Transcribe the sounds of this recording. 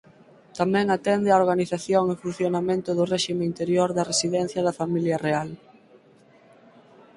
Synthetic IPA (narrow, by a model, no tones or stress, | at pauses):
t̪amɛ̃ŋat̪ɛnd̪ɪaoɾɣaniθaθjoŋɪfun̟θjonamẽnt̪ʊðʊrɛʃimeint̪eɾjoɾðɐresiðɛn̟θjɐðɐfamiljɐreal